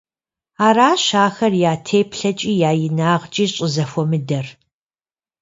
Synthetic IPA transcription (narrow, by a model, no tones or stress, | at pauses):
aːɾaːɕaːxɐrjaːtʰeːpʰɬɐt͡ʃʼiːjaːjɪnaːʁt͡ʃʼiːɕʼəzɐfʷɔmɨdɐr